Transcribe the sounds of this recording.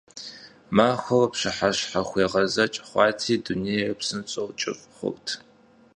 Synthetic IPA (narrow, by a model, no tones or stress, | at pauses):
maːxʷɐlpɕɨħaɕħaxʷeːʁɐzɐt͡ʃʼχʷɑːtʰiːdunejrɐpsɨnt͡sʼowt͡ʃʼɪ̰fʼχʷʊ̰wtʰ